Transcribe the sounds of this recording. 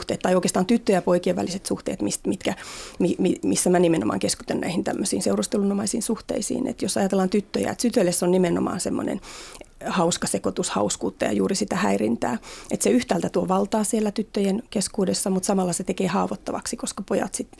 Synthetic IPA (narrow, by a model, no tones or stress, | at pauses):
ht̪eːt̪t̪ːɑjoˑikeːst̪ɑːnt̪yt̪ːøjæpoikieʋæ̰liset̪suht̪ḛːt̪mist̪mit̪kæmimimisːæmænimeno̰mɑ̰ːŋkeskut̪ænnæ̰ihint̪æ̰mːøsiːnseurost̪elunomɑisiːnsuht̪ḛisḭːnʔḛt̪josɑjɑt̪elːɑnt̪yt̪ːøjæ̰ḛt̪tyt̪ølesːonnimeno̰mɑ̰ːnsemːo̰nḛn | hɑuskɑsekot̪ushɑ̰uskuːt̪ːɑjɑ̰juːrisit̪æhæirint̪æ̰ːet̪seyht̪æːlt̪æt̪uoʋɑlt̪ɑːsielːæt̪yt̪ːøjenkeskuːdesːɑmut̪sɑmɑlːɑset̪ekeːhɑːʋot̪ːɑʋɑ̰ksikoskɑpojɑ̰t̪sit̪